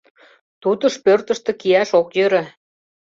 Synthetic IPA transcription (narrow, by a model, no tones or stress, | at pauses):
t̪ut̪ə̆ʃpørt̪ə̆ʃt̪ɤ̆kijæʃokjø̆ɾæ